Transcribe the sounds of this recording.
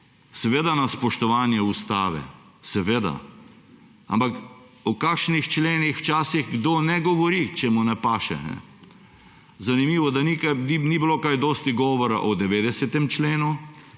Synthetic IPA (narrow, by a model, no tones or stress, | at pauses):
sɛʋeːd̪anaspɔʃt̪ɔʋaːnjɛust̪aːʋɛ̰ | sɛʋeːd̪a̰ | a̰mpak | ɔkakʃnixt͡ʃleːnixwt͡ʃaːsiɣɡd̪oːnɛɡɔʋɔɾit͡ʃɛmunɛpaːʃɛ̰nɛ̰ | zanimiːʋɔd̪anikaninibilokajd̪ɔːst̪iɡɔʋɔɾa̰ʔɔd̪ɛʋeːd̪ɛsɛt̪ɛmt͡ʃleːnu